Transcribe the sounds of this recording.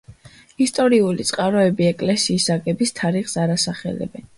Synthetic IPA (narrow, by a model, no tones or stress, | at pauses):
ist̪ʼɔɾiulit̪sʼqʼaɾɔɛbiɛkʼlɛsiːsaɡɛbist̪ʰaɾiχsaɾasaχɛ̰lɛ̰bɛn